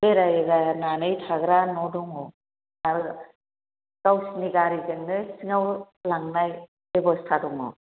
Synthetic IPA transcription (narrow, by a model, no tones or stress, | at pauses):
eɾajɡananɯjtʰaɡɾanɔdɔŋɔ | aɾ | kawsiniɡaɾizeŋnɯsiŋaw | laŋnaj | ebɔstʰadɔŋɔ̰